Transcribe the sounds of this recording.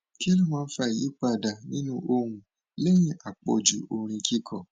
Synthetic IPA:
ki˦lu˦˨mãː˦˧n̩˦fa˧˨i˨ji˨˦k͡pa˦˨da˨nĩ˦nũ˦ʔo˧hũ˧ | le˦j̃ĩ˧˦ʔa˨k͡pɔ̰˧˨d͡ʒṵ˨o˧˨ɾ̃ĩ˧ki˦kʰɔ˦˨

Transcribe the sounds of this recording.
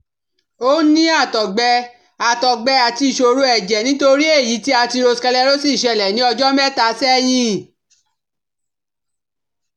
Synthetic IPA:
o˦nĩ˦a˦˨tɔ˨ɡ͡bɛ˧ | a˨tɔ˨ɡ͡bɛ˧a˨ti˧i˨ʃo˧ɾu˧˦ɛ˨d͡ʒɛ˨nĩ˦to˧ɾi˦e˦˨ji˨˦ti˦a˧ti˧ɾo˧skɛ˧lɛ˧ɾo˦si˦˨ʃɛ˧˨lɛ˨nĩ˨˦ɔ˧d͡ʒɔ˦mɛ˦˨ta˧sɛ˦jĩ˦

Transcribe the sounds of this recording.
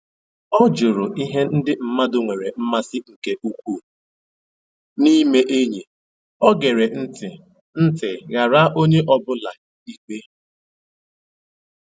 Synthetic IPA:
ɔ˦d͡ʒʊ˨ɾʊ˨i˦ɦe˦n̩˦dɪ˦m̩˨ma˦dʊ˨ŋʷe˨ɾe˨m̩˦ma˦sɪ˦ŋ̩˨ke˦ʔu˦kʷu˦˨ | ni˦me˦ʔe˦ɲi˨ | ɔ˦ɡe˨ɾe˨n̩˦tɪ˨ | n̩˦tɪ˨ɣa˨ɾa˦ʔo˦ɲe˦ʔɔ˦bʊ˦la˨ | i˦k͡pe˦

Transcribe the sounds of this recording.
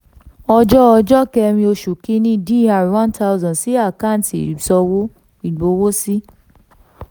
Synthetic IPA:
ɔ˧d͡ʒɔ˦ɔ˧d͡ʒɔ˦kɛ˧ɾ̃ĩ˧o˧ʃu˨kĩ˦nĩ˦˨di˦˨a˨wã˦nta˦u˦zɔ̃˨si˨˦a˦˨kã˦˨tḭ˨i˨sɔ˧wo˦ | i˨ɡ͡bo˨˦wo˦si˦

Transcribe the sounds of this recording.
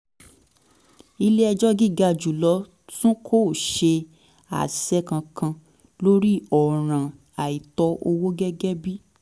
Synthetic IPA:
i˧le˦ɛ˧d͡ʒɔ˦ɡi˦˨ɡa˧˨d͡ʒu˨lɔ˨˧˦ | tũ˦kʰo˦˨ʃe˧ | a̰˨sɛ˦kã˧kʰã˧ | lo˦ɾi˦ɔ˨ɾ̃ã˨ | a˨i˨tɔ˧ʔo˧wo˦ɡɛ˦ɡɛ˦bi˦

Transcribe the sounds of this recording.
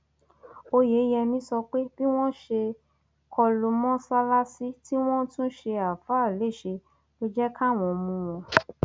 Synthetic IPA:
o˧je˨˦jɛ˧nĩ˨˦sɔ˧k͡pe˦b̥i˦w̃ɔ̃˦ʃe˧ | kʰɔ˧lu˧mɔ̃˦sa˦la˦si˦ti˦w̃ɔ̃˦tũ˦ʃe˧a˨fa˦˨le˦˨ʃe˧ | to˦d͡ʒɛ˦kʰa˦˨w̃ɔ̃˨˧mũ˧w̃ɔ̃˧

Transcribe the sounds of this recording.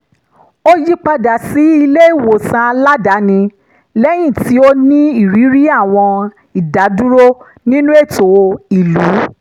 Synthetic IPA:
o˦ji˦k͡pa˧da˨si˨˦i˧le˦i˦˨wo˨sã˧la˦da˨˦nĩ˧ | lɛ˦j̃ĩ˦˨ti˨˦o˧nĩ˦i˦˨ɾi˨˦ɾi˦a˦˨w̃ɔ̃˧ | i˨da˨˦du˦ɾo˦ | nĩ˦nũ˦e˦˨to˨wo˧i˨lu˨˦

